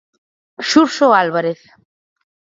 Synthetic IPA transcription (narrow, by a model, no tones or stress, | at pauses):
ʃuɾʃoalβaɾeθ